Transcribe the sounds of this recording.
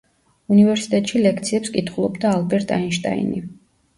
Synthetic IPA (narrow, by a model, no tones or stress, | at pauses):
univɛɾsi̥t̪ʼɛt̪ʼʃilɛkʰt̪sʰiɛpskʼit̪ʰχulˠɔbd̪aːlbɛɾt̪ʼainʃt̪ʼa̰ḭni